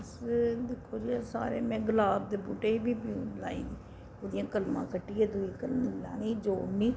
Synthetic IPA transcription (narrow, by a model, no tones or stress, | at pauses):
sd̪ɪkʰːoːɾɪjaːsa̰ːɾḛːmɛ̃ːɡəlaːb̚d̪eːbuːʈeːiːbiːpiũːla̰ːḭːiː | oːd̪ɪjãːkəlmã̰ːkəʈːieːd̪uiːkəlmilã̰ːniːd͡ʒoːniː